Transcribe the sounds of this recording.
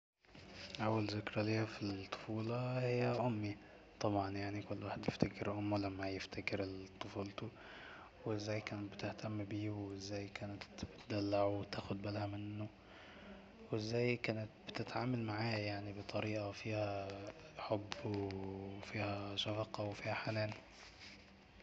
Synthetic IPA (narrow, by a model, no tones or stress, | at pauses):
ʔawːalzɪkɾˤɑleːafit̪ˤːo̥fuːlɑhɪjːæʔʊmːi | t̪ˤɑbʕɑnjaʕnikʊlːwaːħɪd̪jɪft̪akɪɾʔʊmːulamːajɪft̪akɪɾɪt̪ˤːofuːlt̪u | wɪzːæːjkæːnɪt̪̚bɪt̪ɪht̪ʰamːbiːwɪzːæːjkæːnɪt̪bɪt̪d̪alːaʕwt̪aːxʊd̪balhamɪnːʊ | wɪzːæːjkæːnɪt̪̚bɪt̪ɪt̪ʕaːmalmaʕaːjajaʕnibɨt̪ˤɑɾiːʔafiːhæ | ħobːwfiːhæʃɑfɑqɑwfiːhæħanæːl